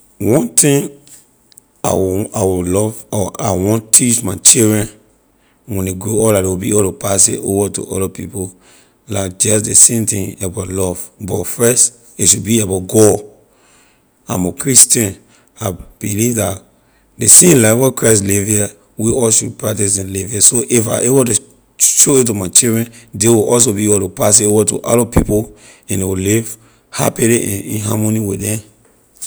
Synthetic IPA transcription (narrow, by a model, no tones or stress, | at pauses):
wɔ̃nt̪ĩŋ | a̰wawilɔvɔʔa̰wɔ̃ntʰit͡ʃmaɪt͡ʃidɹɛ̃n | wɛ̃neɡɹoɔladewibiɔtopas̬ḛʔovatṵʔɔ̰dapipo | laɪk̚d͡ʒɛs̬desẽmtĩŋabatlɔv̥bɔtfɛst | iʃubiabaɡɔ | ã̰mokʰɹistɛ̃n | ab̥ilivdat | desẽmlaɪfwɛkʰɹaɪs̬livia | wiʔɔlʃud̚pɹak̚tisĩnliviasoʔifa̰ʔebotu | ʃoitumaɪt͡ʃildɹɛ̃ndewiʔɔls̬obiebotupas̬ebotṵʔalɔpipo | ɛ̃ndewiliv | ha̰piliʔḭ̃nɦa̰moniwidɛ̃m